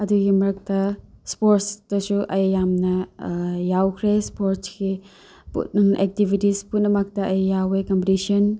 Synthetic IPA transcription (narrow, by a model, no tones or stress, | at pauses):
ɐduɡimɐɾɐk̚tɐspoɾtstɐsuʔɐjjamnɐ | jawkʰɾespoɾtski | pṵtʔek̚tibʱitisputnːɐmɐk̚tɐʔɐjjawekɐmpitisiɐn